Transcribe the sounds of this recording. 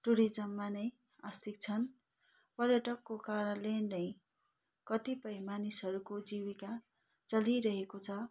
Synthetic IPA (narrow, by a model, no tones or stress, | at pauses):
ʈuɾid͡zʌmːanʌj | ast̪ik̚t͡sʰʌn | pʌrjʌʈʌkːokaɾʌlennʌj | kʌt̪ipʌjmanisʌɾukod͡zibika | t͡sʌliɾʌɦekot͡sʰʌ